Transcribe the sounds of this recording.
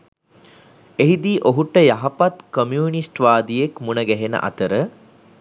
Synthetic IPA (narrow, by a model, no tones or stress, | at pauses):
eɦid̪iʔoɦuʈːəjaɦɐpat̪komjuːnisʈʋaːd̪ijekmunəɡɛɦenə̰ʔa̰t̪əɾə